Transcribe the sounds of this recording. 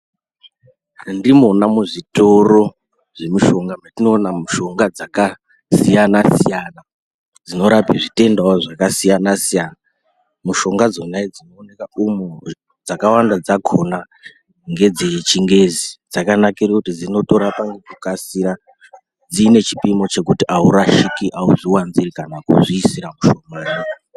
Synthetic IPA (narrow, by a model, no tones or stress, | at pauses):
ndimo̞namuʐito̞ro̞ | ʐe̞miʃo̞ŋɡamatino̞ːnamuʃo̞ŋɡad͡zaka | sijanasiijana | d͡zino̞ɾapiʐite̞ndaoʐakasijanasijana | muʃo̞ŋɡad͡zonaed͡zino̞ːne̞kaumu | d͡zakawandad͡zakʰo̞na | ŋɡe̞d͡zit͡ʃiŋɡe̞zid͡zakanakirekutid͡zino̞to̞ɾapaŋɡed͡zokasiɾa | d͡ziːne̞t͡ʃi̥pimo̞t͡ʃe̞kutiʔauɾaʃikiʔauʐiwanzirikanakṵʐiːsiɾamuʃo̞mano